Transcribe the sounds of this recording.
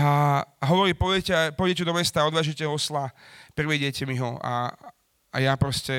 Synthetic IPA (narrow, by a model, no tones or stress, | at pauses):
aaɦɔʋɔɾiːpɔʋɛɛcɛapɔʋɟɛcɛd̪ɔmɛst̪aːɔd̪ʋaːʒuɛcɛɦɔɔslapɾriʋɛɟɪɛcɛmiɦɔa̰ | a̰japɾɔscɛ